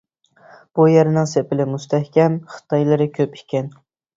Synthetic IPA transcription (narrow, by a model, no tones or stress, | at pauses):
b̥ujɛɾɪnɪŋsepɪlɪmust̪ʰæhkʲɛmχɨ̥t̪ʰɑjlˠɨɾɪkʲʰøpikʲʰɛn